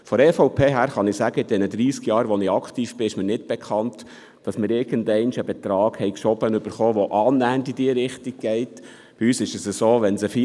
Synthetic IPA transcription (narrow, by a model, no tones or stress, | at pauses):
fɔɾɛfɔʊpʰeːɦæːɾχɑnɪsæɡəɪdɛnəd̪ɾiːskjɑːɾʋɔnɪɑkχtiːfb̥ɪɪʃmɪnɪtb̥ɛkʰɑnt | d̥ɑsmɪɾɪɾɡ̥əndɛɪnʃəbɛt̪ɾɑːɡ̥hɛɪkʃɔbənʏb̥əɾχoːʋɔʔɑːnæːndidiəɾɪχtiɡ̚ɡ̥ɛɪt | b̥ɪyːsɪʃəsəsoːʋɛnsəfi